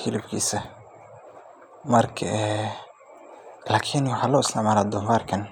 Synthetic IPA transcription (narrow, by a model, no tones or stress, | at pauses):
hɪlɪbkʰḭːsɐ | mɐrkʰɐʔɛ | laːkʰɪnwɑħɑːlɔːɪsnamaːlaːd̪ɔɱfaːrkʰɐn